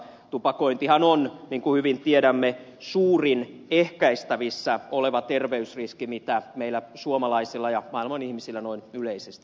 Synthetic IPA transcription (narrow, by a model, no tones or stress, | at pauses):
t̪upɑkoint̪ihɑnonniːŋkuhyʋint̪ieɾæmːe | suːrinehkæist̪æʋisːæoleʋɑt̪erʋeysriskimit̪æmeilːˑæsuomɑlɑisilːɑjɑmɑilmɑnihmisilːænoinyleisest̪i̥